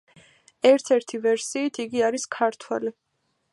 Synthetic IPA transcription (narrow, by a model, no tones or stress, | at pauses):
ɛɾt̪ʰɛɾt̪ʰivɛɾsiːt̪ʰiɡiaɾiskʰaɾt̪ʰwɛli